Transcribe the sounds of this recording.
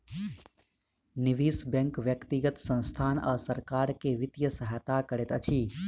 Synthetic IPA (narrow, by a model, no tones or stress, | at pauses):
nɪʋiːsbɛ̃ŋkʋjəkt̪iɡət̪sə̃nst̪ʰaːnɔ̰ːsɐɾkaːɾkeʋɪt̪jəsəɦaːt̪akəɾet̪ɐt͡ʃʰiː